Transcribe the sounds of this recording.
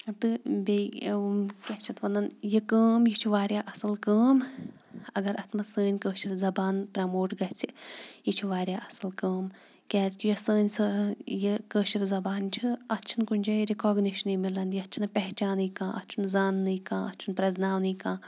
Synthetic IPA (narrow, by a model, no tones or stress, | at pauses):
t̪ɨbe | kɐt͡ʃʰɐt̪ʋɐnɐnjikəːmjit͡ʃʰuʋaːɾjaːʔɐsɐlkəːm | ɐɡɐɾɐt̪ʰmɐsəːnʲkəːʃiɾzɐbaːnpɾɐmoːʈɡɐt͡sʰijit͡ʃʰiʋaːɾʲjaːʔɐsɐlkəːm | kʲɛːzkʲijɐsəːnʲsɐjekəːʃiɾzɐbaːnt͡ʃʰiɐt͡ʃʰinkunʲd͡ʒɐːɾikɔːɡniʃɐnimilɐnjiɐt͡ʃʰinɐpɛɦt͡ʃaːnɨjkãːʔɐ̰tt͡ʃʰunzaːnːɨjkãːʔɐtːt͡ʃʰunpɾɐznaːwnɨjkãː